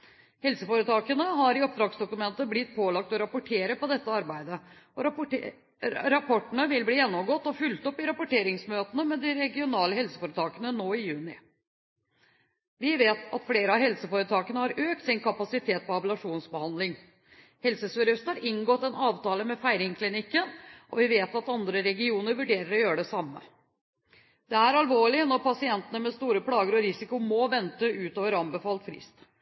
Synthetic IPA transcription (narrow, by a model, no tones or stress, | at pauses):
hɛlsəfoːɾət̪ɑːkənəɦɑɾɪɔp̚d̪ɾɑːksd̪ʊkʉmɛnt̪əblɪt̪̚ːpʰoːlɑk̚t̪ɔɾɑpʊʈʰeːɾəpɔd̪ɛt̪ːəɑɾbæɪd̪əɔɾ | ɾɑpʰɔʈːəɳəʋɪlbliːjɛnːɔmɡoːt̪ːɔfʏlt̪ɔpːɪɾɑpʊʈeːɾɪŋsmøːt̪ənəmɛd̪ɪɾɛɡɪʊnɑːləhɛlsə̥foːɾət̪ʰɑːkənənoːɪjʉːnɪ | ʋɪʋeːt̪ʰɑ̰t̪fleːɾəɑɦɛlsəfoːɾət̪ʰɑːkənəhɑɾʔøːk̚t̪sɪnkʰɑpɑsɪt̪ʰeːt̪̚pɔɑbəlɑʂuːnsbəhɑnd̪lɪŋ | hɛlsəsøɾœst̪hɑɾʔɪŋɡɔt̪ːɛnɑːʋt̪ɑːləmɛfæɪɾɪŋkʰlɪnɪkːənʔɔ̰ʋɪʋeːt̪ɑt̪ɑnd̪ɾəɾɛɡɪuːnəɾʋʉɖeːɾəɾɔjøːɾəɖɛsɑmːə̰ | d̪̥ɛæɾɑlʋoːɭɪnɔɾpɑsɪɛnt̪ənəmɛst̪uːɾəpɽɑːɡəɾɔɾɪsɪkʊmɔʋɛnt̪əʉːt̪oːʋəɾɑmbəfɑːlt̪fɾɪ̰st̪